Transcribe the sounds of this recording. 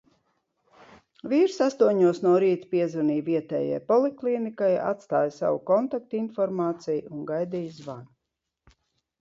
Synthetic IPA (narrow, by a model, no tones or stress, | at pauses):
viːɾsast̪uɔɲuɔsnuɔɾiːt̪piɛzuniːviɛt̪ɛ̰ːja̰jpɔlˠiklˠinikaja̰t̪st̪aːjsa̰wṵkɔnt̪ak̚t̪infɔɾmaːt̪sijunɡajd̪iːjzvan